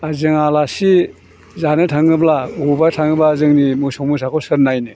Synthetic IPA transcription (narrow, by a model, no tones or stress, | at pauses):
azɯŋalasi | zanɯtʰaŋɯblaubatʰaŋɯbazɯŋnimɯsɔŋmus̬akʰɔsɯɾnajnɯ